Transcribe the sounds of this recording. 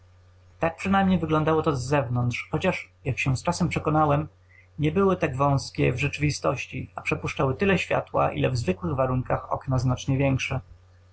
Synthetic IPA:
t̪ak̚pʂɘnajmɲejvɘɡlɔnd̪awɔt̪ɔzːɛvnɔnt̪ʂxɔt͡ɕaʂjakɕɛ̃st͡ʂasɛmpʂɛkɔnawɛm | ɲɛbɘwɘt̪aɡvɔ̃w̃skʲɛ̰vʐɛt͡ʂɘvʲist̪ɔɕt͡ɕḭapʂɛpuʂt͡ʂawɘt̪ɘlɛɕfʲja̰t̪wa̰ʔḭlɛ̰vzvɘkwɘɣvaɾuŋkaxɔ̰knaznat͡ʂɲɛvʲjɛŋkʂɛ

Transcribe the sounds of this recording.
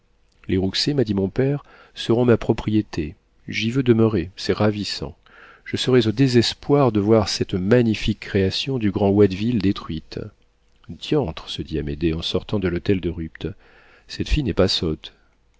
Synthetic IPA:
leʁuksemad̪imɔ̃pɛʁ | səʁɔ̃mapχɔpχijet̪ʰe | ʒivød̪əmøʁesɛʁavisɑ̰̃ | ʒ̥əsəʁɛzod̪ezɛspwaʁd̪əvwaʁsɛt̪maɲifikːχeasjɔ̃d̪yɡʁɑ̃wɛd̪vild̪et̪χɥit̪ | d̪jɑ̃t̪χəsəd̪iamed̪eɑ̃sɔʁt̪ɑ̃d̪əlot̪ɛld̪əʁypt̪ | sɛt̪fijnɛpasot̪

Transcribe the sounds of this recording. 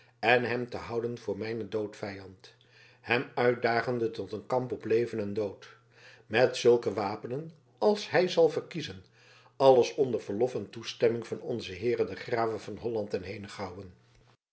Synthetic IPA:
ɛnɦɛmtəɦʌwdənvʊːɹmɛjnədowtfɛjɑnt | hɛmœɥt̚daːχəndətɔtənkɑmpɔplejvənɛndowt | mɛtsɵlˠkəʋaːpənən | ɑlˠsɦɛjzɑlˠvəɹkizən | ɑləsɔndəɹvəɹlɔfɛntustɛmɪŋv̥ɑnɔ̰nzəɦɪːrədəχraːvəvɑnɦɔlɑntɛnɦejnəχɑwən

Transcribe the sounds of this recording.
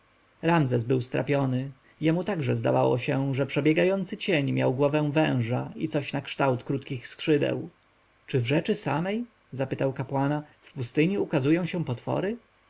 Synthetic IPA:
ɾamzɛzbɘwst̪ɾʔa̰pʲjɔnɘ | jɛmut̪aɡʐɛzd̪a̰vawɔ̰ɕɛʐɛpʂɛbʲjɛɡajɔnt̪sɘt͡ɕeɲmjawɡwɔvɛ̃w̃vɛ̰̃w̃ʐaḭt̪sɔɕnakʂt̪awt̪kɾut̪kʲixskʂɘd̪ɛ̰w | t͡ʂɘvʐɛt͡ʂɘsamɛj | zapɘt̪awkapwanafpust̪ɘɲiukazujɔ̃w̃ɕɛ̃pɔt̪fɔ̰ɾɘ

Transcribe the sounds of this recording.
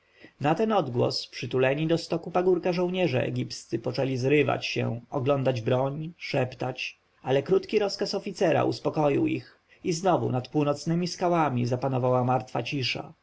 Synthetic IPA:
nat̪ɛnɔd̪ɡwɔ̰spʂɘt̪ulɛɲid̪ɔst̪ɔkupaɡuɾkaʐɔ̃w̃ɲɛʐɛ̰ɛ̰ɡʲipst̪sɘpɔt͡ʂɛlʲizɾɘva̰t͡ɕɕɛ̰ɔɡlɔnd̪ad͡ʑbɾɔɲʂɛpt̪at͡ɕ | alɛkɾut̪kʲiɾɔskasɔfʲit̪sɛɾa̰ʔṵspɔkɔjḭwḭx | iznɔvṵnat̪puwnɔt̪snɘmʲiskawamʲizapanɔvawamaɾt̪fa̰t͡ɕiʂa̰

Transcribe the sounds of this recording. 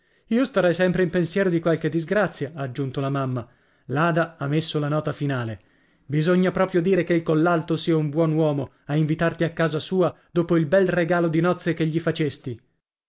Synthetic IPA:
iːost̪aɾɛjsɛmpɾeimpensjɛːɾod̪ikwalked̪ːizɡɾat̪sːjaːd͡ʒːunt̪olamamːa | laːd̪aamːesːolanɔːt̪afinaːle | bizoɲːapɾɔːpɾjod̪iːɾekeilkolːalt̪osiːaumbwɔnwɔːmo | aiɱvit̪art̪iakːaːzasuːad̪oːpoilbɛlreɡaːlod̪inɔt̪sːekeʎːifat͡ʃest̪i

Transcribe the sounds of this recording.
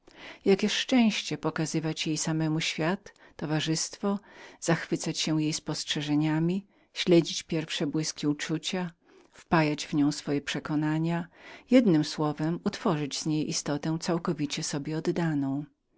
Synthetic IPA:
jakʲɛʂt͡ʂɛ̃w̃ɕt͡ɕɛpɔkazɘvat͡ɕjejsamɛmuɕfʲjat̪ːɔvaʐɘst̪fɔz̥axfɘt̪sat͡ɕɕɛwjejspɔstʂɛʐɛɲamʲi | ɕlɛd͡ʑit͡ɕpʲjɛɾfʂɛbwɘskʲiut͡ʂut͡ɕa | fpajad͡ʑvɲɔ̃w̃sfɔjɛpʂɛkɔnaɲajɛd̪nɘmswɔvɛmut̪fɔʐɨd͡ʑzɲejʔist̪ɔt̪ɛ̃t̪sawkɔvʲit͡ɕɛsɔbʲjɛɔd̪ːanɔ̃w̃

